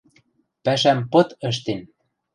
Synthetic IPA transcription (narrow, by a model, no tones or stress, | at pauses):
pæʃæmpɤ̆t̪ə̆ʃ̬t̪en